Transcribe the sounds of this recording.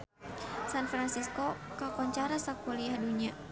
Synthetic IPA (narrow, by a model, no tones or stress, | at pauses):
sanfɾansiskɔkakɔɲt͡ʃaɾasakɔliahduɲa